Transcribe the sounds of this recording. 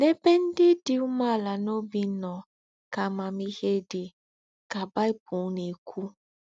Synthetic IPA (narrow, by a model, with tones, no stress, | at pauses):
ne˦be˦n̩˦dɪ˦dɪ˦u˦ma˦˨la˨no˦bi˦nɔ˨ | ka˨ma˨mi˦he˦dɪ˨ | ka˨ba˦i˦pu˨˦ne˨kʰʷu˦